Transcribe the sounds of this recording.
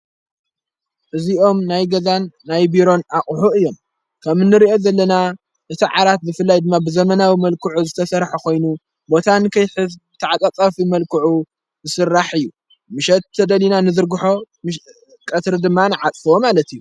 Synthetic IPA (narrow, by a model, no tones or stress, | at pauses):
ʔɨziʔo̞mnajɡɐzanːajbiɾo̞naχʼħuɨjːo̞m | kʰɐmɨnːɨɾiʔo̞zɐlːɐna | ʔɨt̪ʰiʕaɾat̪̚zɨfɨlːajd̪ɨmːabɨzɐmɐnawimɐlkʰɨʕuzɨt̪ʰɐsɐɾħakʰo̞jnu | bo̞t̪ʰankʰɐjħɨzt̪ʰaʕat͡sʼat͡sʼɐfimɐlkʰɨʕu | zɨsɨrːaħɨjːu | mɨʃɛt̪ʰːɐd̪ɐlinanɨzɨɾɡɨħo̞ | m | kʼɐt̪ɾɨd̪ɨmːanɨʕat͡sʼfomalɐt̪ijːu